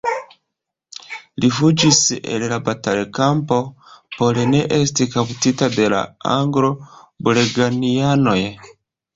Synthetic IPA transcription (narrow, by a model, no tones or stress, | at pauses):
lifud͡ʒisḛllabatalkampo̞poline̞ʔe̞stikawutitade̞la̰aŋɡɾo̞buleɡaniano̞j